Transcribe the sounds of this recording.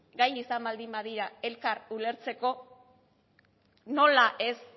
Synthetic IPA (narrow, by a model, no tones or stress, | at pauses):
ɡajisambald̪imbaðiɾae̞lkarule̞ɾt͡se̞ko̞ | no̞laʔe̞s